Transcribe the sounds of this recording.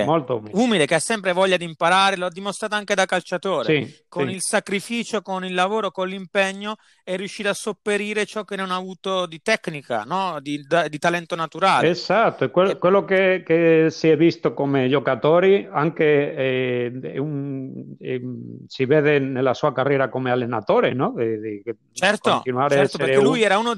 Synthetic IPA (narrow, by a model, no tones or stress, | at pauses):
molt̪oṵmiuːmilekeasːɛmpɾevɔʎːad̪impaɾaːɾeload̪ːimost̪ɾaːt̪oaŋked̪akalt͡ʃat̪oːɾseikonilsakɾifiːt͡ʃokonilːavoːɾokolimpɛɲːo | ɛrːjuʃːiːt̪oasːopːeɾiːɾet͡ʃɔk̟ːenːonaːvuːt̪od̪it̪ɛkːnika̰nɔd̪id̪ad̪it̪alɛnt̪onat̪uɾaːleesat̪ːoɛkwelkwelːokekesiɛvːist̪okomed͡ʒokat̪oːɾiaŋkeɛɛ̰un | ɛsiveːd̪enelːasuːakarːjɛːɾakomealːenat̪oːɾenɔd̪id̪i | t͡ʃɛrt̪k̪o̰t̪inuaːɾeɛɾtsopːpeɾekelujɛːɾauːno